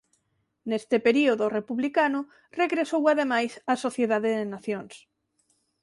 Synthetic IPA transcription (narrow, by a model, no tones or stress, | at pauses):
nest̪ɪpeɾioðʊrepuβlikanʊ | reɣɾesowaðemajsasoθjeðaðeðenaθjoŋs